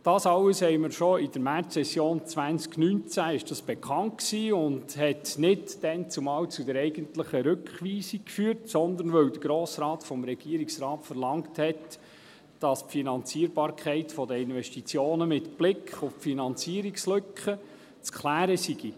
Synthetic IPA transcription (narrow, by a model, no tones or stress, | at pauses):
d̥ɑːsɑləshɛɪməɾʃɔɪd̥əɾmært͡ssɛsjoːnt͡sʋænsknynt͡sæɪʃd̥ɑsb̥ɛkχɑnt̚ksiːʊndhɛtnɪdd̥ɛnt͡sʊmɑwt͡sudəɾɛɪɡəntləχəɾɵkχʋiːsikkfyːəɾtsɔnd̪ənʋœwd̪əɾɡ̥ɾoːsɾɑːtfɔmɾɛɡ̥iəɾiksɾɑːtfəɾlɑŋthɛt | d̥ɑspfinɑnt͡siəɾbɑːɾkχɛɪtfɔdəɪnʋɛʃtit͡sjoːnəmɪtb̥lɪkχʊffinɑnt͡siəɾikslɵkχə | t͡skχlæːɾəsiɡ̥i